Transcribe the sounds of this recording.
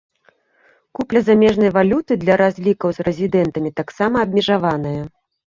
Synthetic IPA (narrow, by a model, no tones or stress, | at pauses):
kuplʲɐzamʲɛʐnɐjvalʲut̪ɨd̪lʲɐɾazʲlʲikɐwzrɛzʲid̪ɛnt̪ɐmʲit̪aksamɐːb̚ʲmʲɛʐavanɐjɐ